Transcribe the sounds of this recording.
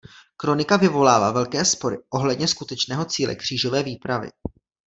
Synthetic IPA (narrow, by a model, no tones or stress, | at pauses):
kɾo̞nɪkavɪvo̞laːvaːvɛlkɛːspo̞ɾɪʔo̞ɦlɛdɲɛskut̪ɛt͡ʃnɛːɦo̞t͡siːlʔɛ̰kr̝̥iːʒo̞vɛːviːpɾavɪ̰